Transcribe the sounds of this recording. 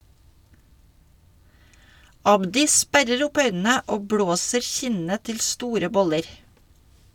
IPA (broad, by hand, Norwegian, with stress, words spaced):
ˈɑbdɪ ˈspæɾəɾ ˈʊp ˈœʏnn̩ə ˈoː ˈbɽoːsəɾ ˈçɪnə ˈtɪl ˈstuːɾə ˈbɔləɾ